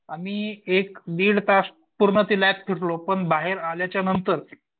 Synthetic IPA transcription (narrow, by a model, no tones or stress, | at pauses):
amiːekniːɽt̪as | puɾɳət̪ilap̚pʰiʈlopəɳbaɦeɾaljat͡ɕjanənt̪əɾ